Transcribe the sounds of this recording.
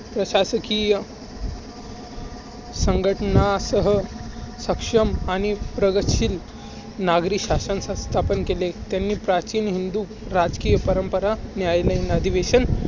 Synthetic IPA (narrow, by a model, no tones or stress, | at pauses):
pɾəɕasəkijə | səŋɡʱəʈɳasəɦəsəkʂəmañipɾəɡətɕiːl | naɡɾiːɕasənsast̪ʰapənkelet̪janːiːpɾat͡ɕiːnɦind̪uː | ɾad͡zkiːjəpəɾəmpəɾanjajləinəd̪ʱiʋeɕən